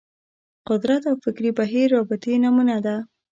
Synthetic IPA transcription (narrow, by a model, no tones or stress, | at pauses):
qʊd̪ɾat̪awfɪkɾibaɦiɾːɑbɪt̪enamunad̪a